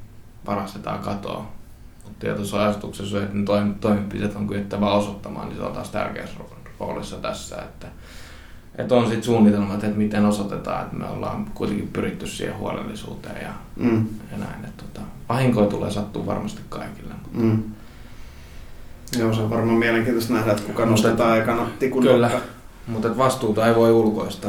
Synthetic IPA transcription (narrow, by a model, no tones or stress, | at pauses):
pɑrɑst̪et̪ɑ̰ːkɑt̪o̰ː | mut̪t̪iɑt̪osɑɑsut̪uksesːɑet̪net̪oimt̪oˑimeppit̪et̪oŋkyet̪ːæʋæosot̪ːɑmɑ̰ːnḭso̰lt̪ɑst̪æ̰rkḛːsr | ro̰ːlisːɑt̪æsːæ̰ḛt̪ːæ | ʔet̪onsit̪suːnːit̪elmɑt̪et̪mit̪enosot̪et̪ɑ̰ːḛt̪mḛo̰lːɑ̰ːmkuit̪eŋkippyrit̪ːyssḭhḛhṵo̰lḛlːisṵːt̪ḛːjɑ | jɑnæinet̪t̪ot̪ɑʋɑhiŋkoit̪ulḛːsɑt̪ːuːʋɑ̰rmɑst̪i̥kkɑikilːemut̪ː | josɑʋʋɑrmɑːmiæleŋkiːnt̪ost̪næhɾæet̪kukɑmnost̪et̪ɑikɑnɑt̪ikukylːæ | mut̪et̪ʋɑst̪uːt̪ɑeiʋoiulkoist̪ɑ